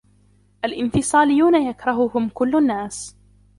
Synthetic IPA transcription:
ʔalʔɪnfɨsˤɑːlɪjːuːnajakɾˤɑɦʊhʊmkʊlːnːaːs

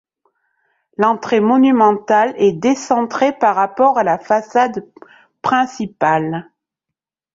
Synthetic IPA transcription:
lɑ̃t̪χemɔnymɑ̃t̪alɛd̪esɑ̃t̪χepaʁːapɔʁalafasad̪ | pχɛ̃sipal

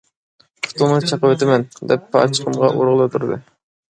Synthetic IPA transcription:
pʰʊ̥t̪unɨt͡ʃʰɑqəwɛt̪ɪmɛnd̪ɛpːɑ̰t͡ʃʰə̥qʰəmʁɑʔoɾʁəlˠɨot̪ʰuɾd̪ɨ̰

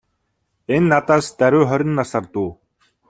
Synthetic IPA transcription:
enːat̪aːst̪æɾʲʊːχœɾʲɪ̆nːasart̪uː

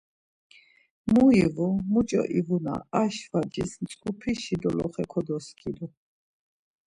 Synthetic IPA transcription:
muivumut͡ʃʼɔ̰ʔivuna̰aʃvad͡ʒʼisnsʼkʼupʰiʃid̪ɔlɔχɛkʰɔd̪ɔskʰʼid̪u

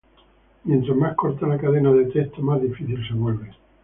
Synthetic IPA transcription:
mjent̪ɾazmaskoɾt̪alakaðenaðet̪et̪ʰomazðifiθilseβwelβe

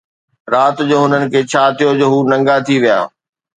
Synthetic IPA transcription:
ɾaːt̪d͡ʑoːɦʊnənɪ̆kʰeːt͡ɕʰaːt̪ʰijod͡ʑoːɦuːnɐ̃ŋɡat̪ʰiʋija̰ː

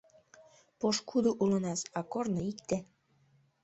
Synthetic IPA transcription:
poʃkud̪uʔulɤ̆nɑsɑkornɤ̆ikt̪æ

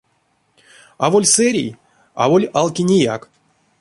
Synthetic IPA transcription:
avolʲsɛɾʲḭj | a̰volʲalˠkʲinʲija̰k

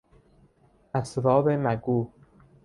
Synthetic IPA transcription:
æsɾɒːbemæɡuː

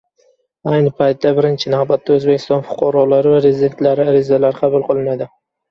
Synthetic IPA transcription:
ajnɪpʰajt̪d̪abɪɾɪnt͡ʃʰɪnahbat̪ːaɵzbekʲʰːɪst̪ɒnfʊ̥qʰɒɾɒlaɾɪvaɾezɪd̪e̞nt̪laɾɪaɾɪzalaɾɪqʰɑbʊlˠqɨlˠɪnad̪ɪ

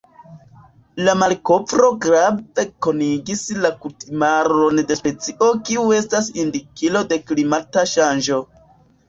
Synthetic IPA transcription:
lamalko̞vɾo̞ɡɾave̞ko̞niɡislakutimaɾo̞nde̞spe̞t͡siʔo̞kiue̞stasindikilo̞de̞klimataʃand͡ʒo̞

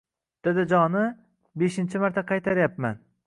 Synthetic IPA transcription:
d̪̥ed̪ɪd͡ʒɒnɪ | beʃɪnt͡ʃʰɪmaɾt̪ʰaqʰɑjt̪ʰaɾjapman

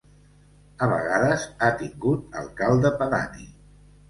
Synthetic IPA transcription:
əβ̞ə̰ɣaðəzat̪iŋɡut̪ə̰lˠkalˠd̪əpəðanḭ

